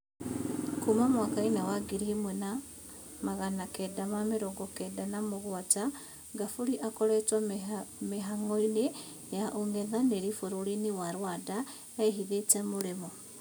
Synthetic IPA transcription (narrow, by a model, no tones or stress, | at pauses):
kumamwakainawaɡiɾimwɛna | maɣanakɛdamameɾɔɡɔkɛdanamoɣwata | ɡafuɾiʔakɔɾɛtwameɦaŋoine | jaʔoŋɛðaneɾifoɾoɾiniwaɾwada | ɛiɦiðetɛmoɾemɔ